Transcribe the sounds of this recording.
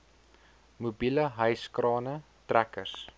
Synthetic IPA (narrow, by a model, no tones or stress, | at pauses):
mubiləɦəjskrɑːnə | trækərs